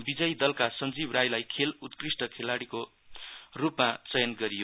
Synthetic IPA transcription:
bid͡zʌjd̪ʌlkasʌnd͡zibrajlajkʰelut̪krisʈʌkʰelaɽiko | rupmat͡sʌjʌnɡʌɾijo

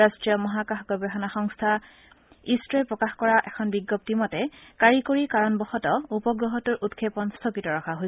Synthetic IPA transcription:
astɹijɔmɔɦakaxɡɔbɛɦɔnaxɔŋstʰa | istɹɛpɹɔkaxkɔɹaʔɛkʰɔnbiɡːɔp̚timɔtɛkaɹikoɹikaɹɔnbɔxɔtɔupɔɡɹɔɦɔtuɹʔutkʰepɔnstʰokɹitɔɹɔkʰaɦoj

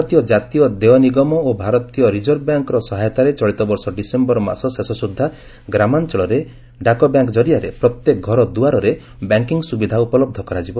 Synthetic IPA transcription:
t̪ijɔd͡ʒat̪ijɔd̪eɔniɡɔmɔobʱaɾɔt̪ijɔɾid͡ʒɔɾbjaŋkɔɾɔsɔɦajɔt̪aɾet͡ʃɔɭit̪ɔbɔɾsɔɖisembɔɾɔma̰sɔsesɔsud̪ʱːa | ɡɾamant͡ʃɔɭɔɾe | ɖakɔbjaŋkd͡ʒɔɾijaɾepɾɔt̪jekɔɡʱɔɾɔd̪uaɾɔɾe | bjaŋkiŋsubid̪ʱaupɔlɔb̚d̪ʱɔkɔɾad͡ʒibɔ

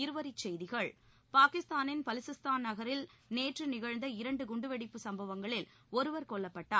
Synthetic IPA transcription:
ɪɾɯʋɐɾɪt͡ʃːɛjðɪɣɐɭ | paːkɪst̪aːnɪnpɐlɪsɯst̪aːnnɐɣɐɾɪlneːʈrɯnɪɣɐɻnd̪ɐɪɾɐɳɖɯɡʊɳɖɯʋɛɽɪpːɯsɐmbɐʋɐŋɡɐɭɪl | ɔɾɯʋɐɾkɔɭːɐpːɐʈːaː

